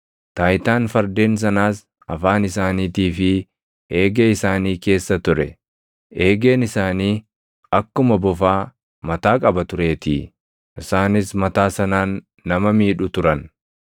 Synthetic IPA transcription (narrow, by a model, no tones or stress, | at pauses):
t̪aːjt̪aːnfɐɾd̪e̞ːns̬ɐnaːs | ɐfaːnɪsaːniːt̪iːfɪ | e̞ːɡeɪsaːniːke̞ːsːɐt̪ʊɾɛ̰ | e̞ːɡe̞ːnɪsaːniː | ɐkːʊmɐbɔfaː | mɐt̪aːkʼɐbɐt̪ʊɾe̞ːt̪iː | ʔɪsaːnɪsmɐt̪aːsɐnaːnː | ɐmɐmiːᶑʊt̪ʊɾɐn